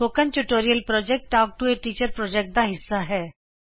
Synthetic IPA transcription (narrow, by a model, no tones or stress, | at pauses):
oːkə̃nʈʊʈoːɾijəlpɾɔːd͡ʒɛk̚ʈaːk̚ʈueʈiːt͡ʃəɾpɾɔːd͡ʒɛk̚ʈ̚d̪aːɦɪsːaɦɛː